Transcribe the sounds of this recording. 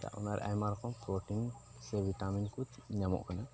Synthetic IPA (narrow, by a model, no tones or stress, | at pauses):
t̪a̰ʔɔ̰naɾa̰jmaɾkʰɔnpɾɔʈin | sebitaminkut̪ɲamɔ̰ʔkʰana